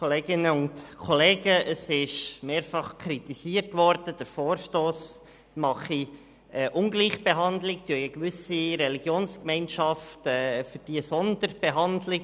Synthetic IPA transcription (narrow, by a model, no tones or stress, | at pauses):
koleːɡɪnəʊntkʰɔleːɡəʔəsɪʃmeːɾfɑχkʰɾit̪isiːərtʋɔɾd̥əd̥əɾfoːɾʃtoːs | mɑχi | ɛʔʊŋɡliːχb̥eɦɑndlɪktyəiəɡʋʏsiɾɛliɡjoːnskmɛɪnʃɑftɛːfʏɾd̥iəsɔndəɾb̥ɛɦɑndlɪk